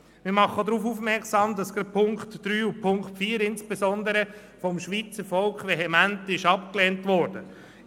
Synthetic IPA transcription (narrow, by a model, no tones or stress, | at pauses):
mɪɾmɑχːəd̪ɾuːfufmɛɾksɑːmd̪ɑsɡ̥ɾɑpʰʊŋktd̥ɾyːupʰʊŋkχtfiːəɾɪnsb̥esɔnd̪əɾə | fɔmʃʋiːt͡səɾfɔlkχʋɛɦɛmæntɪʃɑp̚klɛːntʋɔɾd̥ə